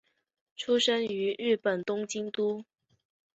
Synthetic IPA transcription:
ʈ͡ʂʰu˥ʂə˥ŋy˧˥ɻ̩˥˩pə˨˩nt̪ʊ˥ŋt͡ɕi˥ŋt̪u˥

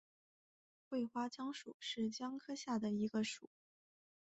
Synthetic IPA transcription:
xwe˥˩ɪxwa˥t͡ɕjɑ˥ŋʂu˨˩˦ʂɻ̩˥˩t͡ɕjɑ˥ŋkʰɤ˥ɕja˥˩d̪ə˩i˧˥ɡə˧ʂu˨˩˦

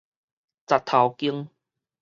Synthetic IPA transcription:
t͡sa˨˩t̪ʰːa˨˩wki˦˥əŋ

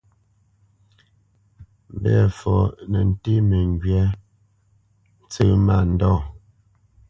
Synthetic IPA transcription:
m˨bɛ̰˨fɔ˨nə˨n̩˨te˦mə˨ŋ˨ɡɥɛ˦ | n̩˨t͡sə˦˨ma˦˨n̩˨dɔ˦˨

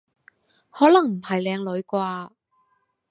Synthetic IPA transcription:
hɔː˨˥lɐ˨˩ŋm̩˨˩hɐ˨˩jlɛː˨˧ŋlɵ˨˧ɥkwaː˧

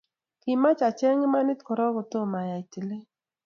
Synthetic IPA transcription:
kɪ˨ma˦t͡ʃa˨t͡ʃɛ˦ŋe˦ma˦nɪ˦tkɔ˨ɾɔ˦ɡʊ˨to˦˨ma˨ja˨i˨te˨le˦

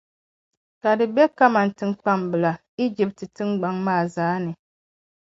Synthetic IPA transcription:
ka˨dɨ˨bɛ˦ka˦ma˨n˨tɨ˦ŋk͡pa˦mbɨ˨la˨ | i˦d͡ʒi˦p̚tɨ˨tɨ˦ŋɡ͡ba˦ŋmaː˦˨zaː˦nɨ˨

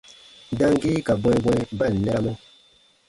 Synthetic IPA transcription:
da˦ŋɡi˦ka˨bwɛ˦bwɛ˦ba˦˨n˨nɛ˦ɾa˦mo˦

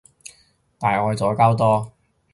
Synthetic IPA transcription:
t̪aː˨˩jɔː˨˧jt͡sɔː˨˥kaː˥wt̪ɔː˥

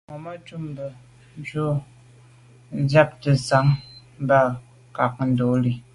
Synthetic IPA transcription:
mɔ˨ma˦tu˦mbə˨˦ | d͡ʒo˦ | d͡zja˦p̚tə˨sa˨˦ŋ˦ | ba˦˨ | ka˨k̚n̩˦do˨˦li˨

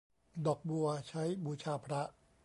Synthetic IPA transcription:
dɔ˨˩k̚bu˧t͡ɕʰa˦˥jbu˧t͡ɕʰaː˧pʰɾa˦˥ʔ

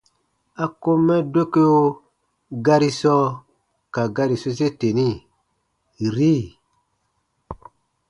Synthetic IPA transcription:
a˨ko˦mːɛ˦do˦ke˦jo˦ | ɡa˦ɾi˦sɔ˦ | ka˨ɡa˦ɾi˨so˦se˦te˨ni˦ | ɾi˦˨

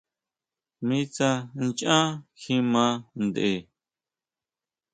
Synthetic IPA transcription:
mĩ˦t͡sã˧nt͡ʃã˦xĩ˦mã˨˦nd̪ʔe˨

